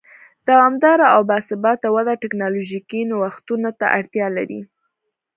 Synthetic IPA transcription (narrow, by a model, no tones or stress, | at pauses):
d̪̥awamd̪ɑɾaawbɑsɪbɑt̪awad̪aʈɪknɑloʒikinwaxt̪unat̪a̰ʔaɽt̪jɑlaɾḭ